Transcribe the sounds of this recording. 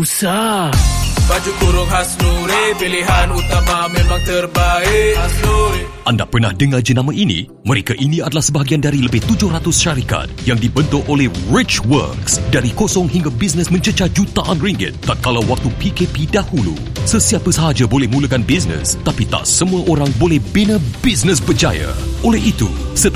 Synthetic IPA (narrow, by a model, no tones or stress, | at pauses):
usa | bad͡ʒukuɾʊŋɦasnuɾepiliɦanut̪amamemaŋt̪ərbaɪ | ʔanda̰pərnahdəŋad͡ʒənãmaʔinḭ̃ | məɾekaʔiniadalahsəbaɦaɡiandaɾiləbɪht̪ud͡ʒʊhrat̪ʊsʃaɾika̰t̪̚jaŋdibənt̪oʔolɛhrit͡ʃwə̰rksdaɾikosɔŋhiŋɡabis̬nəsmə̃ɲt͡ʃət͡ʃad͡ʒut̪aʔanriŋɡɪ̰t̪ːat̪̚kalawwak̚t̪upikepidahulṵ | səsiapəsəɦad͡ʒabolɛhmũləkanbisnə̰st̪apit̪a̰ʔsəmũaʔoɾaŋbolɛhbenãbisnəs̬bərd͡ʒa̰ja̰ʔolɛhit̪ṵsət̪